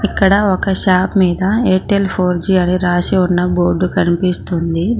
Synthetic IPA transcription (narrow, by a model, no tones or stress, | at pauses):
ikːɐɽɐɔkɐʃaːpmiːd̪ɐeːʈelpʰo̞ːɾd͡ʒiɐniɾaːsiunːɐbo̞ːɾɖukɐnipist̪und̪i